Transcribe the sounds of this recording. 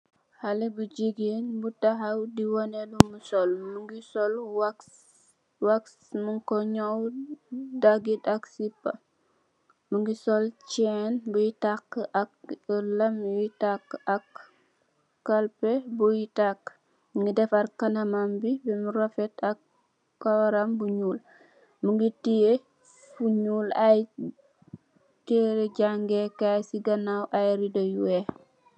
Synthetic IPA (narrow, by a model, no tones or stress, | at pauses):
halɛbud͡ʒiɡenbutaɦawdiwɔnɛlumusɔlmuŋɡisɔlwa | waks | muŋkɔɲɔw | daɡitɐksipːɐ | muŋɡisɔlt͡ʃɛnbujitakːʔɐklɐmjitakːɐkː | alpebujitakː | məŋɡidɛfaɾkanamambibimuɾofetak̚ | kawɾambuɲuːl | muŋɡitije | fuɲuːlaj | teɾeɟaŋɡekajsiɡɐnawʔajɾidojuwe